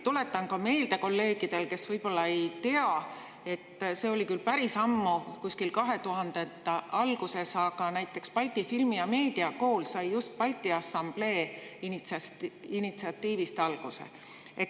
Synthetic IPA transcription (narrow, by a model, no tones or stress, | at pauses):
t̪ule̞t̪ːˑɑnkɑme̞jld̪̥eko̞lːe̞ːɡ̥id̪̥e̞lke̞svɤjb̥o̞lːɑe̞jt̪e̞ɑ | e̞t̪ːse̞ːo̞likylpæɾisɑmːukusʲkilkɑɦe̞t̪uɦɑnd̪̥et̪ːˑɑɑlɡ̥use̞sɑɡ̥ɑnæjt̪ːˑe̞kspɑlʲt̪ˑifilmijɑme̞ːd̪̥iɑko̞ːlsɑjːjust̪̚pɑlʲt̪ːˑiɑsɑmb̥le̞ːinit̪ssinit̪siɑt̪ːˑiːvist̪ɑlɡ̥usḛ | e